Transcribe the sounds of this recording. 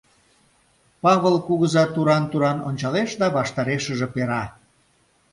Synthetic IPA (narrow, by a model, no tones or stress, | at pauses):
pɑβəlkuɣəzɑt̪uɾɑnt̪uɾɑnonʲt͡ɕɑleʃd̪ɑβɑʃt̪ɑɾeʃə̆ʒĕpeɾɑ